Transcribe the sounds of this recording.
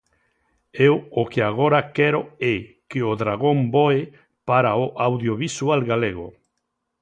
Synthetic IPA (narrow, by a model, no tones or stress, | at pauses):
ewokeaɣ̞oɾakɛɾoɛ | keoðɾaɣ̞omboe | paɾaoʔawðjoβisualɣaleɣ̞o